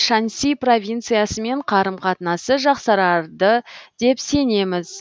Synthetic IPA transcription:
ʃɑnsʲijpro̞vʲijnt̪sɨjasəme̞ɴqʰɑɾəmqʰɑt̪ənɑsəʒɑqsɑɾɑɾd̪əd̪̥e̞pse̞ne̞mɪz

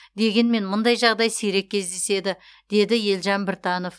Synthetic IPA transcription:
d̪e̞ɡʲe̞nme̞nmʊnd̪ɑjʒɑʁd̪ɑjsejɾe̞k̚ʲːʰezd̪e̞se̞d̪ɪ | d̪̥e̞d̪ɪje̞lʒɑmbɪɾt̪ɑnof

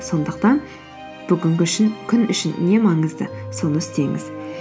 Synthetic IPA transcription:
so̞nd̪əq̚t̪ɑn | b̥ʏɡʲɪŋɡʲɪʏʃɪnkʲʰʏnʏʃɪnne̞mɑɴəzd̪ə̰so̞nəɪst̪e̞ŋɪ̰z̥

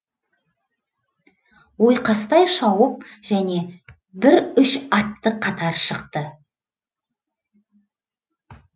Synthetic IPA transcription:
wo̞jqɑst̪ɑjʃɑwəp̚ʒ̥æne̞ | bɪɾʏʃɑt̪ːəqʰɑt̪ɑɾʃəqt̪ə

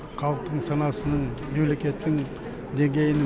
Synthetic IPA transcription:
qʰɑlˠəq̚t̪ːəɴsɑnɑsənəɴme̞mle̞kʲe̞t̪ːɪŋ | d̪e̞ŋɡʲe̞jɪnɪ

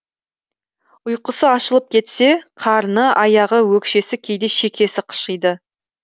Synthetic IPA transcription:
ʊjqəsəɑʃəlˠəp̚kʲʰe̞t̪se̞qʰɑɾnəʔɑjɑʁəwɵkʃe̞sɪkʲʰe̞jd̪e̞ʃe̞kʲʰe̞sɪqʰə̥ʃəjd̪ə

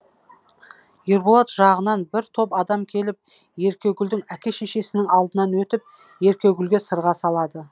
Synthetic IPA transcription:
jeɾbolˠot̪ʒɑʁənɑnbɪɾt̪ʰo̞pɑd̪ɑmkʲʰe̞lɪp̚ | je̞ɾkʲe̞wɡʲʏld̪ɪŋækʲeʃe̞ʃe̞sɪnɪŋɑlˠd̪ənɑnwɵt̪ɪp̚ | je̞ɾkʲe̞ɡʲʏlɡʲe̞səɾʁɑsɑlˠɑd̪ə

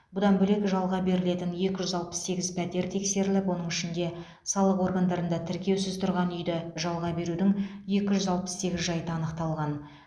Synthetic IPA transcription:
bʊd̪ɑnbɵle̞kʒɑlˠʁɑbe̞ɾɪle̞t̪ɪnje̞kʲɪʒʏzɑlˠpə̥sse̞ɡʲɪzpʰæt̪e̞ɾt̪ʰe̞kse̞ɾɪlɪpwo̞n̪əɴɪʃɪnd̪e̞ | sɑlˠəqwo̞ɾɡand̪ɑɾənd̪ɑt̪ʰɪɾkʲe̞wsɪzt̪ʰʊɾʁɑnʏjd̪ɪʒɑlˠʁɑbe̞ɾud̪ɪŋje̞kʲɪʒʏzɑlˠpə̥sse̞ɡʲɪzʒɑjt̪əɑːnəqt̪ɑlˠʁɑn

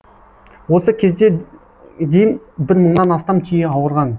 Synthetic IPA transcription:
wo̞səkʲʰe̞zd̪e | d̪ejɪn | bɪɾməɴnɑnɑst̪ɑmt̪ʲʰʏjeɑwəɾʁɑn

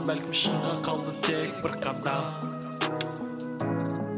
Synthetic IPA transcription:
bælkʲɪmʃəɴʁɑqʰɑlˠd̪ət̪ʰek̚bəɾqɑnd̪ɑ

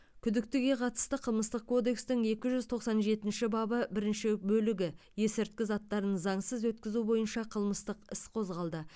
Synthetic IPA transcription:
kʲʰʏd̪ɪk̚t̪ɪɡʲe̞qʰɑt̪ə̥st̪əqʰəlˠməst̪əq̚kʰo̞d̪e̞kst̪ɪŋe̞kʲɪʒʏzt̪ʰo̞qsɑnʒe̞t̪ɪnʃɪbɑbəbɪɾɪnʃɪbɵlɪɡʲɪ | je̞sɪɾt̪̚kʲɪzɑt̪ːɑɾnnəzɑɴsəzwɵt̪̚kʲɪzubo̞jənʃɑqʰəlˠməst̪əqɪsqʰo̞zʁɑlˠd̪ə

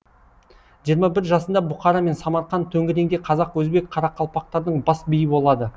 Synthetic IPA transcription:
ʒijəɾmɑbɪɾʒɑsənd̪ɑbʊqɑɾɑme̞nsɑmɑɾqɑnt̪ʰɵŋɡʲɪɾe̞ŋd̪eqʰɑzɑqwɵzbe̞k̚qʰɑɾɑqʰɑlˠpɑq̚t̪ɑɾd̪əɴbɑsbijɪbo̞lˠɑd̪ə

